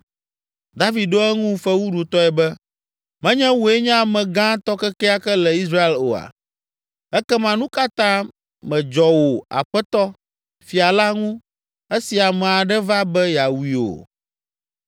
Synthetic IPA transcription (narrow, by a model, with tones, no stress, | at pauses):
d̪a˦vi˨d̪̚ɖo˦ɛ˦ŋũ˦fɛ˦wu˦ɖu˨t̪ɔ˦ɛ˨bɛ˦ | mɛ̃˦ɲɛ̃˦wo˨ɛ˦ɲɛ̃˦˨mɛ̃˨ɡã˦t̪ɔ˦kɛ˦kɛ˦a˦kɛ˦lɛ˨i˦s̬ɾa˦e˦˨lo̰˨a̰˨ | ɛ˦kɛ˦mã˨nũ˦ka˦t̪ã˦ | mɛ̃˨d͡ʒɔ˨wo˨a̰˨ɸɛ˦t̪ɔ˦ | fi˨a˨la˦ŋũ˦ | ɛ˦si˨a˨mɛ̃˨a˨ɖɛ˦va˦bɛ˦ja˨wi˨o̰˨